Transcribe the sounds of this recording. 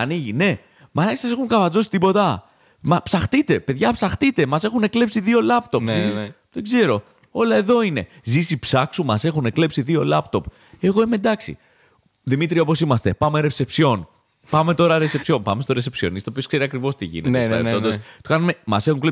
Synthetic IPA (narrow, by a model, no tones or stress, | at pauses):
ɐniʝine̞ | mɐlɐsɐse̞xuŋkɐvɐd͡zo̞si̥t̪ipo̞t̪ɐ | mɐpsɐxt̪it̪e̞pe̞ðʝɐpsɐxt̪it̪e̞mɐse̞xune̞kle̞psiðio̞lɐpt̪o̞pzisis | ðeɡze̞ɾo̞ | o̞lɐe̞ðo̞ine̞ | zisipsɐksumɐse̞xunekle̞psiðio̞lɐpt̪o̞p | e̞ɣo̞imed̪ɐksḭ | ðimit̪ɾiɐopo̞simɐst̪e̞pɐme̞ɾe̞se̞psio̞n | pɐme̞t̪o̞ɾɐɾe̞sepsio̞mpɐme̞st̪o̞ɾe̞se̞psio̞̰nist̪opio̞skse̞ɾiɐkɾivo̞st̪iʝḭnetteɐ̰ɾ̰ḛod̪ost̪o̥kɐnume̞mɐse̞xuŋkle